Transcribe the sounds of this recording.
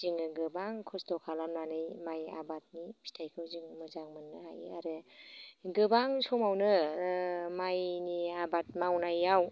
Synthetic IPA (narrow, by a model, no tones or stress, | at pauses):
ziŋɯɡɯbaŋkʰɔstɔkʰalamnanɯjmaja̰bat̚nipʰi̥tʰajkʰɯwzɯŋmɯzaŋmɯnːɯha̰ja̰ɾɯ | ɡɯbaŋsʰɔmawnɯ | majniabat̚mawnajaw